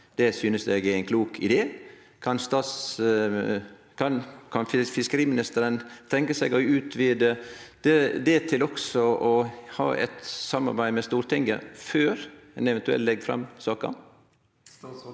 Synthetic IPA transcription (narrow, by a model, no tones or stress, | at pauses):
d̪̥ɛsyːnəsd̪ɛɡææɪnkʰluːkʰɪd̪eː | kʰɑnst̪ɑːt̪s | kʰɑnkʰɑnfɪfɪskəɾiːmɪnɪst̪əɾənt̪ʰɛŋkəsɛɡɔʉːt̪ʰʋɪːd̪əd̪̥ɛd̪ɛt̪ʰɪlɔksɔʔɔhɑ̰ːʔɛ̰t̪sɑmːɑ̰ɾbæɪmɛst̪uːɾt̪ʰɪŋɡə̰føːɾɛnɛʋɛnt̪ʉɛ̰lt̪lɛɡfɾɑ̰msɑːkə̰